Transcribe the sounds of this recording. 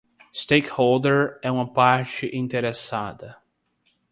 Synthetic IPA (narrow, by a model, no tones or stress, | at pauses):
st̪ejkhold̪eɾɛũmɐpaɾt͡ʃɪʔĩnt̪eɾesad̪ɐ